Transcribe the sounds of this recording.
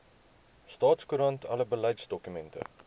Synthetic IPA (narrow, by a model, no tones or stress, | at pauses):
stɑːtskuɾɐntʰɐləbəlɛjtsdɔkymɛntə̰